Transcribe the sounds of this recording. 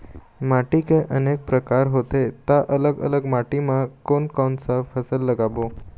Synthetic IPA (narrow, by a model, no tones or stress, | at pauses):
maʈikẽʔənek̚pɾəkaɾɦot̪et̪aʔələɡə̰ləɡmaʈimãkonkɔnsafəsəlːəɡabo